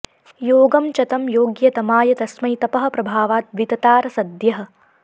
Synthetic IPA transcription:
joːɡɐmt͡ʃɐt̪ɐmjoːɡjɐt̪ɐmaːjɐt̪ɐsmɐjt̪ɐpɐɦɐ̆pɾɐbʱaːʋaːt̪̚ʋit̪ɐt̪aːɾɐsɐd̪jɐɦɐ̆

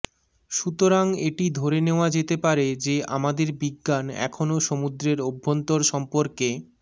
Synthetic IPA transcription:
ʃut̪oɾaŋeʈid̪ʱoɾeneoad͡ʑet̪epaɾed͡ʑea̰mad̪eɾbiɡːanɛ̰kʰonoʃomud̪ɾeɾobʱːont̪oɾʃɔmpoɾke

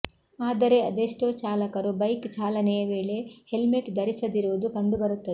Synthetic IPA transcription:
aːd̪ɐɾe̞ɐd̪eʂʈoːt͡ʃaːlɐkɐɾubɐjkt͡ʃaːlɐnɛjɐʋe̞ːɭe̞he̞lmeʈd̪ɐɾisɐd̪iɾuʋud̪ukɐɳɖubɐɾut̪ːɐd̪e

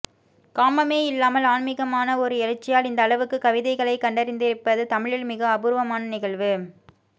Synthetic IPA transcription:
kaːmɐmeːɪlːaːmɐlaːnmɪɣɐmaːnɐɔɾɯɛɻɐt͡ʃːɪjaːlɪnd̪ɐːɭɐʋɯkːɯkɐʋɪðɐɪɣɐɭɐɪkːɐɳɖɐɾɪnd̪ɪɾɪpːɐðɯt̪ɐmɪɻɪlmɪɣɐɐbʊɾʋɐmaːnɐnɪɣɐɭʋɯ

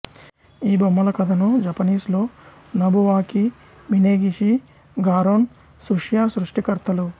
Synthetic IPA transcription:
iːbɐmːɐlɐkɐd̪ʰʱɐnud͡ʒɐpɐniːslo̞ː | nɐbuʋaːki | ʋineːɡiʃi | ɡaːɾoːn | suʂjaːsɾuʂʈikɐɾt̪ʰɐlu

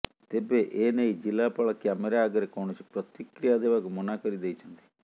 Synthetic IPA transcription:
t̪ebeʔeːneid͡ʒilːaːpɐɭɐkjaːmeɾaːɡɐɾekoɳut͡ʃʰi̥pɾɔt̪ikɾijad̪eːʋakumunaːkəɾid̪ejt͡ʃʰɐnt̪i̥

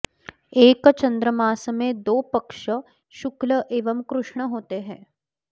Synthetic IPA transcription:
eːkt͡ʃɐ̃nd̪ɾəmaːsmẽd̪oːpɐkʃə | ʃʊkləʔeːʋəmkɾʊʃɳ̃əɦoːt̪eɦɛ̰̃ː

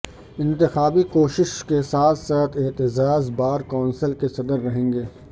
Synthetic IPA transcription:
ɪ̃nt̪ɪxaːbikoːʃɪʃkesaːt̪ʰsaːt̪ʰɪt̪ɪzaːzbaːɾkɔːnsəlkesɐd̪əɾːɐɦẽːŋ̆ɡeː

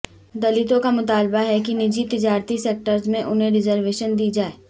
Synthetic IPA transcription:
d̪ɐlɪt̪õkamʊt̪aːlbaɦɛk̬inɪd͡ʒit̪ɪd͡ʒaːɾt̪iseːk̚ʈəɾzmẽʔʊnɦẽɾɪzəɾʋeːʃənd̪iːd͡ʒaːeː

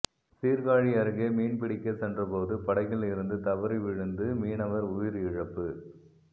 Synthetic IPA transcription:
siːɾɣaːɻɪɐɾɯɣemiːɳpɪɽɪkːɐsɛndrɐpoːðɯpɐɽɐɪɣɪlɪɾɯnd̪ɯt̪ɐʋɐɾiʋɪɻɯnd̪ɯmiːnɐʋɐɾʊjɪɾɪɻɐpːɯ

